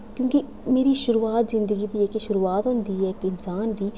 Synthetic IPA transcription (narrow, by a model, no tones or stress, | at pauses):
kjõːki | meːɾiːʃʊɾuːaːt̪zɪnd̪əɡiːd̪iːɛːkeʃʊɾuːaːt̪ɦʊ̃nd̪iːɛːkɪnsaːnd̪iː